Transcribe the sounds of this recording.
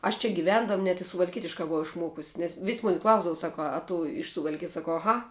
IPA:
ɐʃ t͡ʃʲɛ ɡʲɪˈʋʲɛndɐm nʲɛt ɪ sʊʋɐlʲˈkʲiɛtʲɪʃkɑː bʊˈʋɐʊ ɪʃˈmuɔkʊsʲ nʲɛs ʋʲɪs ˈmʊnʲɪ ˈklˠɐʊzdɐw ˈsɑːkʊ ɐ tʊ ɪʃ sʊʋɐlʲˈkʲɪjɛs sɐˈkɐʊ ɐˈɣɐ

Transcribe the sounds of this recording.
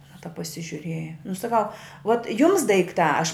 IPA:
ɐˈnɐ tɐp pɐsʲɪʒʲʊˈrʲeːjɛ nʊ sɐˈkɐʊ ʋoːt jʊms dɐɪkˈtɑː ɐʃ

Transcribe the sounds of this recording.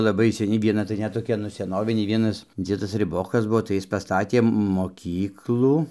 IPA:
lˠɐˈbɐɪ sʲɛˈnʲɪ ʋʲiɛˈnɐ tɐɪ ˈnʲɛt toːˈkʲɛ nʊ sʲɛˈnoːʋʲɪnʲeː ˈʋʲiɛnɐs ˈd͡zʲiɛdɐs rʲɪˈboːkɐs ˈbuɔ tɐɪ ˈjɪs ˈpɑːstɐtʲeː moːˈkʲiːklˠuː

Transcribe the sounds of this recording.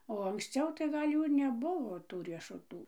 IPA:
oː ɐŋksʲˈt͡sʲɛʊ tɐɪ ˈɡɐlʲ ˈjuː ɪr nʲɛˈbʊʋoː ˈtuː rʲiɛʃʊˈtuː

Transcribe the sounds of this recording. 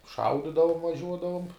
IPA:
ˈʃɐʊdʲɪdɐʋʊm ʋɐˈʒʲuɔdɐʋʊm

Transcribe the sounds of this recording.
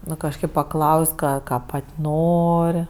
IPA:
ˈnʊ kɐʃˈkɐɪp pɐˈklˠɐʊsʲ ˈkɑː ˈkɑː ˈpɐtʲ ˈnoːrʲ

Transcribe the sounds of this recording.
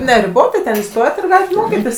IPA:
nʲɛrʲɪˈboːtɐɪ tʲɛn iːˈstoːjɛt ɪr ˈɡɑːlʲɪt ˈmoːkʲɪtʲɪs

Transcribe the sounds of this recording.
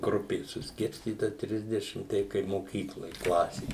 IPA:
ˈɡrʊpʲeːs sʊsʲˈkʲɪrʲsʲtʲiːtɐ ˈtʲrʲɪzʲdʲɛʃʲɪm ˈtʲɛɪ kɐɪ moːˈkʲiːklˠoːj ˈklˠɑːsʲeː

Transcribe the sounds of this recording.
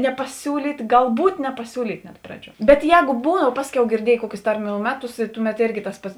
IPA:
nʲɛpɐˈsʲuːlʲiːtʲ ɡɐlˠˈbuːt nʲɛpɐˈsʲuːlʲiːtʲ nʲɛt ˈprɑːˌd͡ʒʲuɔ bʲɛt ˈjɛːɡoː ˈbuːdɐʋɐ ˈpɑːsʲˌkʲɛʊ ɡʲɪrʲˈdʲiɛjeː ˈkuɔkʲʊs ˈtɐrʲˌmʲuː ˈmʲæːˌtʊs ɪ ˈtʊˌmʲɛt ˈeːrʲɡʲɪ tɐs ˈpɐts

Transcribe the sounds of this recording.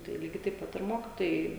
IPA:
tɐɪ ˈlʲiːɡʲɛɪ tɐɪp ˈpɐt ɪr ˈmoːkʲɪtoːjɛɪ

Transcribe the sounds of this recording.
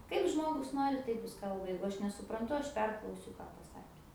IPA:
ˈkɐɪp ˈʒmoːɡʊs ˈnoːrʲɪ ˈtɐɪp ˈjɪs ˈkɐlˠbɐ ˈjɛɪɡʊ ˈɐʃ nʲɛsʊprɐnˈtʊ ˈɐʃ ˈpʲɛrklˠɐʊsʲʊ ˈkɑː pɐˈsɑːkʲeː

